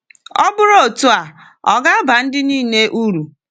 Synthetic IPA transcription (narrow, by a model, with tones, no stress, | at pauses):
ɔ˦bʊ˦ɾo˦˨tu˦a˨ | ɔ˨ɡa˦ba˨n̩˦dɪ˦niː˦˨ne˦ʔu˦ɾu˨